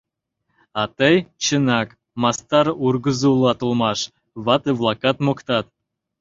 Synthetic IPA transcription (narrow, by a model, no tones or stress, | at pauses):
ɑt̪ɤjt͡ɕənɑk | mɑst̪ɑɾurɡə̆zulˠɑt̪ulˠmɑʃ | βɑt̪ɨβlˠɑkɑt̪mokt̪ɑt̪̚